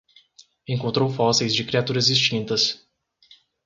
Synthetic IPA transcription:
ẽŋkõnt̪ɾowfɔsejzd͡ʒɪkɾiat̪uɾɐzd͡ʒist͡ʃĩnt̪ɐs

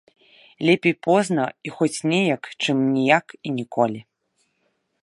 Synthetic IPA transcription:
lʲɛpʲejpɔznɐixɔt͡sʲnʲɛjɐkt͡ʂɨmnʲijakinʲikɔlʲi

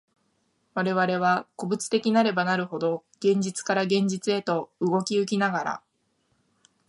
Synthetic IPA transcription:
βaɾe̞βaɾe̞β̞ako̞bɯ̟t͡sɨ̥t̪e̞kʲinaɾe̞banaɾɯ̟ɦo̞d̪oɡ̥ẽ̞ɲ̟d͡ʑit͡sɨ̥kaɾaɡẽ̞ɲ̟d͡ʑit͡sɨe̞t̪o̞ɯ̟ɡo̞kʲiɯ̟k̬ʲinaɡaɾa̰

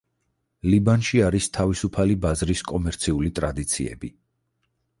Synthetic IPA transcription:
libanʃiaɾist̪ʰavisupʰalibazɾiskʼɔmɛɾt̪sʰiulit̪ʼɾad̪it̪sʰḭɛ̰bi

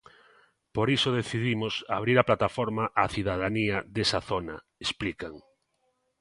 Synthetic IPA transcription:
poɾisoð̞eθiðimosaβ̞ɾiɾaplat̪afɔɾmaʔaθiðaðaniaðesaθona̰ | esplikaŋ

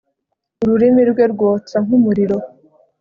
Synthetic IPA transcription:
uɾuɾimiɾɡwe̞ɾɡwoːt͡saŋumuɾiɾo̞

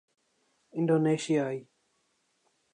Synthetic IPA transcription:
ɪ̃nɖoːneːʃijaːi

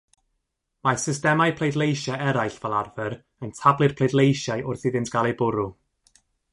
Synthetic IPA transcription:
masɪstɛmajpʰl̥ˠejdˡlˠejʃaɛɾajɬv̥ɛlˠarvɛɾ | əntʰablˠɨr̥pʰlˠejdlˠejʃajʔʊrθiðɪntɡ̥alˠejbʊɾu

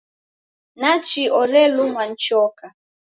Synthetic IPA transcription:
nat͡ʃiɔɾelʊŋʷan̩t͡ʃɔka

